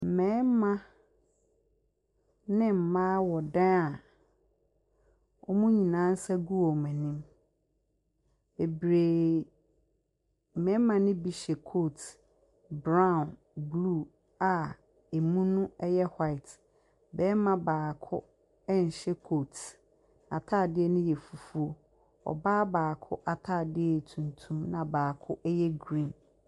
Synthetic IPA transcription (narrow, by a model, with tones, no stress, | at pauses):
m̩˨mɛ̃˦mã˦ | nɪ̃˦m̩˨mãː˦wɔ˨dã˦a˨ | wʔɔ̰˦mũ˦ɲĩ˨nã˨˦n̩˦sa˦ɡu˦ɔ˨mɛ̃˨nĩ˦m | be˨bɾe˨ | m̩˨mɛ̃˨˦mã˦nɪ̃˦bi˨ɕɛ˨kʰo˦˨t | bɾã˦˨n | blu˦˨ | a˨ | e˨mũ˦nʊ̃˦ɛ˦jɛ˦hwa˦ɪ˨t | bɛː˦mã˦baː˨kʰʊ˦ | ɛ˦n̩˨ɕɛ˦kʰoː˦˨t | a˨tʰaː˦˨dɪ˦ɛ˦nʊ̃˦jɛ˨fu˨fu˦o˦ | ɔ̰˨baː˦baː˨kʰʊ˦ʔa˨tʰaː˦˨dɪ˦ɛ˨tʰũ˨ntʰũ˦mnã˨baː˨kʰʊ˦ʔɛ˦jɛ˦ɡɾĩ˦n